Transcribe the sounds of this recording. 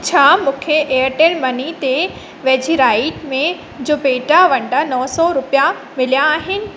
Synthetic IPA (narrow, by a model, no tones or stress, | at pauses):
t͡ɕʰaːmũːkʰeʔeəʈənmɐnit̪e | ʋɐ̃ɦd͡ʑiɾaːɪʈmẽ | d͡ʑoːpeːʈaʋɐ̃ɳɖanɔɦsɔɾʊpija | mɪlijaːɦɪnɪ̆